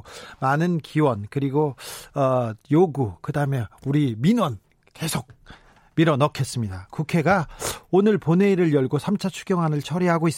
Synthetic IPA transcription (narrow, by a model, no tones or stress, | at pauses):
manɯnkiwʌnkɯɾiɡoʌjoɡukɯdaɯmjʌnuɾiminwʌn | ke̞sʰok̚ | miɾʌnʌkʰe̞s͈ɯmɲidakukʰe̞ɡaonɯɭpone̞iɾɯɭjʌɭɡosʰamt͡ɕʰat͡ɕʰuɡjʌŋɦanɯɭt͡ɕʰʌɾiɦaɡois͈